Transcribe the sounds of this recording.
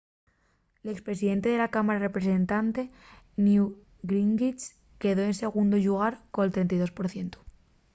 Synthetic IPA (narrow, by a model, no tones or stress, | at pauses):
le̞kspɾe̞siðe̞nt̪e̞ð̞e̞lakamaɾare̞pɾe̞s̬e̞nt̪ant̪e̞ | nju | ɡɾiŋɡit͡ʃ | ke̞ðo̞e̞nse̞ɣ̞und̪oʎuɣ̞aɾkonelt̪ɾent̪ajðo̞spo̞ɾθje̞nt̪o̥